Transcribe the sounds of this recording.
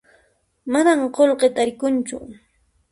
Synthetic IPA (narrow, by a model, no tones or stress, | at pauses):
manamqolqet̪aɾɪkʊnt͡ʃʊ̰